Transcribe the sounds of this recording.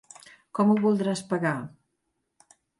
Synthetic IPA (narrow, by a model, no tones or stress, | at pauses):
kɔmuβulˠd̪ɾaspəɣa